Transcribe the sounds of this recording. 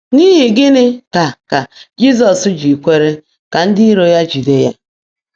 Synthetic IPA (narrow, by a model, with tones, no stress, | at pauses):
ni˦ɦɪ˨ɡɪ˦nɪ˦ka˨ka˨d͡ʒi˦z̬ɔ˨sʊ˦d͡ʒi˨kʷe˦ɾe˦ | ka˨n̩˦dɪ˦i˦ɾo˨ja˦d͡ʒi˨de˦ja̰˦